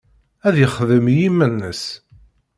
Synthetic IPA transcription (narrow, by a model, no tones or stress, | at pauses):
æðjəχðəmjimːənːəs